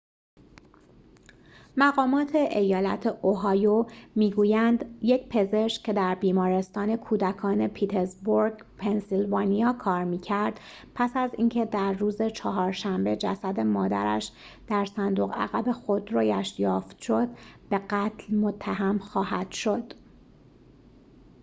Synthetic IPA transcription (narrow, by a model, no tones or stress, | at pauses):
mæɣɒːmɒːt̪ʰe̞ʔejɒːlæ̰t̪ʰeʔoɦɒːjomiːɡuːjænd̪je̞cpʰe̞ze̞ʃcʰe̞d̪æɾbiːmɒːɾe̞st̪ɒːne̞kʰuːd̪ækʰɒːne̞pʰiːt̪ʰezboɾɡpʰensilvɒːnijɒːkʰɒːɾmiːcʰæɾd̪̥ | pʰæsæziːncʰe̞d̪æɾːuːze̞t͡ʃʰɒɦɒːɾʃæmbe̞d͡ʒæ̰sæd̪e̞mɒːd̪æ̰ɾæ̰ʃ | d̪̥æɾsænd̪o̞ɣæ̰ɣæbe̞xod̪ɾoːjæʃjɒːft̪ʃo̞d̪be̞ɣæt̪ʰlmo̞t̪ʰːæɦæmxɒːhæd̪̥ʃo̞d̪̥